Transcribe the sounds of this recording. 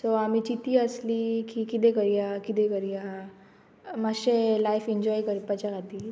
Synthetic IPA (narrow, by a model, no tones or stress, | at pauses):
soamit͡ɕit̪iːəsliːkikit̪̬ek̬əɾijakit̪ẽkəɾija | maɕelajfiɲd͡ʑɔjkəɾipat͡ɕjakʰat̪iː